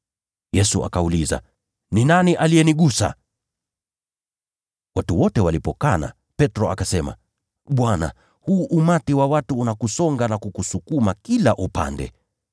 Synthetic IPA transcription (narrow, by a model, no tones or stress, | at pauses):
jɛsua̰kauliza̰ | ninaniʔalijɛniɠusa̰ | watuwɔtɛwalipɔkana̰ | pɛtɾɔakasɛma̰ | ɓwana̰ | huːʔumatiwawatuːnakusɔŋɡanakukusukumakilaʔupa̰ndɛ̰